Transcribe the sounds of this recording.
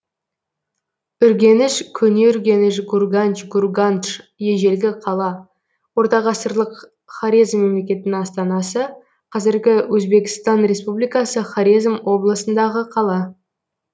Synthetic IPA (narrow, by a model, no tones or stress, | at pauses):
ʏɾɡʲe̞nɪʃkʲʰɵne̞ʏɾɡʲe̞nɪʃɡurɡant͡ʃɡurɡanʃje̞ʒe̞lɡʲɪqʰɑlˠɑ | wo̞ɾt̪ɑʁɑsəɾlˠəq | χaɾʲizmːe̞mle̞kʲe̞t̪ɪnɪŋɑst̪ɑnɑsə | qʰɑzɪɾɡʲɪwɵzbe̞kʲɪ̥st̪ɑnɾe̞spublijkɑsəχaɾizmwo̞blˠəsənd̪ɑʁəqʰɑlˠɑ